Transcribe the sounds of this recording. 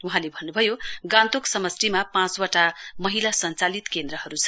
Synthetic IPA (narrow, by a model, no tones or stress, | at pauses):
uɦãlebʱʌnːubʱʌjoɡãnt̪oksʌmʌsrimapãt͡swaʈamʌɦilasʌnt͡salit̪kend̪ɾʌɦʌɾut͡sʰʌ̥